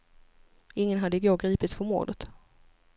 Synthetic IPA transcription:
ɪŋːənɦad̪ːəɪɡoːɡɾiːpɪt̪sfœɾmo̰ːd̪ət̪

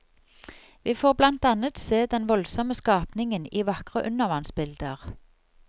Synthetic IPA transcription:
ʋiːfoːʁblɑnt̪ɑnət̪seːd̪ɛnʋɔlsɔməskɑːpnɪŋəniːʋɑkʁəʔʉnəʁʋɑnsbɪld̪əʁ

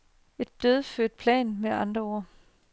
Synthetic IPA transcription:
e̝d̥ːøð̞ˠføɐd̥̚pʰlɛ̰ːnmeʔɑ̈nd̥ʁɐo̝ɐ̰

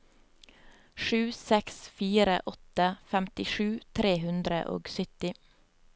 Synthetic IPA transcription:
ʃʉːsɛksfiːɾə̰ʔɔt̪əfæmt̪ɪʃʉːt̪ʰɾeːhʉnd̪ɾə̰ʔo̰ːɡsʏt̪ɪ

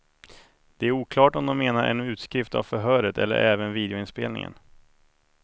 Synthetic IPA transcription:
d̪̥ɛæɾuːkʰlɑːʈɔmd̪ɔmːeːnaɾʔɛ̰nʉ̟ːt̪skɾɪft̪a̰vfœɾɦœːɾət̪ʰɛ̰lːə̰ɾʔɛːvənviːd̪ɪʊɪnspḛːlnɪ̰ŋə̰n

